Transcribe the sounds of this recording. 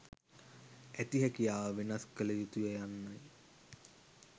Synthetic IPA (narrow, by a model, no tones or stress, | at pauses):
æt̪iɦækijaːʋenaskələjut̪ujejanːaj